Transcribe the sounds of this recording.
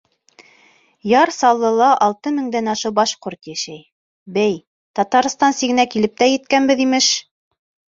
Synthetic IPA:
jɑɾsɑlˠːɤ̆lˠɑʔɑlˠt̪ɤmɘ̆ŋd̪ænɑʃɤbɑʃqoɾt̪jæʃæj | bæj | t̪ɑt̪ɑɾst̪ɑnsiɡɘ̆nækilɘp̚t̪æjɘ̆t̪̚kænbɘðimɘʃ

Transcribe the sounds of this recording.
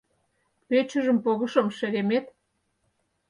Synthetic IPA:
pet͡ɕə̆ʒə̆mpoɣə̆ʃomʃeɾemet̪

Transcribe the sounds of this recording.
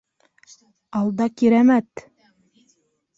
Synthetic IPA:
ɑlˠd̪ɑkiɾæmæt̪

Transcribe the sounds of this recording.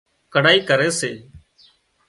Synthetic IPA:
kəɽaːiːkəɾeːseː

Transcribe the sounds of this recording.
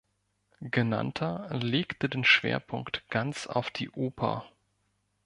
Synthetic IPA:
ɡ̥əna̰ntʰɐleːktədeːnʃv̥ḛːɐpʰʊŋktɡ̥ant͡sa̰ʊfd̥iːʔoːpʰɐ̰

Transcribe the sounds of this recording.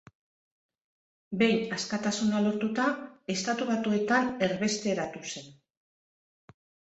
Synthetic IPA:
be̞jnaskat̪asunalo̞ɾt̪ut̪ae̞st̪at̪uβat̪ue̞t̪ane̞ɾβe̞st̪e̞ɾat̪use̞n

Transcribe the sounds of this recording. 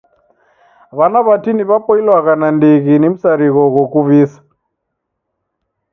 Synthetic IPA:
βanaβatiniβapɔilwaɣanandiɣinim̩saɾiɣɔɣɔkuβisḁ

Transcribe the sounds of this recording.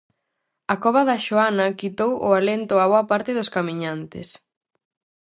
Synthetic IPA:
ɐkɔβɐðɐʃoanɐkit̪owʔʊ̰alent̪ʊaβoɐpaɾt̪ɪðʊskamiɲant̪ɪ̰s

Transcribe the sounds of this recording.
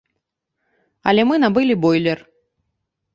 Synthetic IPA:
ɐ̰lʲɛmɨnabɨlʲibɔjlʲɛr

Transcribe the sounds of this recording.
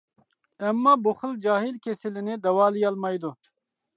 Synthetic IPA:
ɛmːaːbuχɨld͡ʒaːɦilkʲʰesilinid̪ɐwaːlijalmɑjd̪u

